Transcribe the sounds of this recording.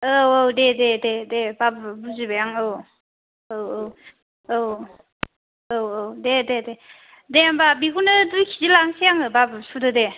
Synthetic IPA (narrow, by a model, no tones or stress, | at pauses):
oowdedededebabbuzibajaŋɯw | owow | ow | owowdedede | deambabiɡunɯdɯkʰizilaŋsijaŋɯbabɯsudɯde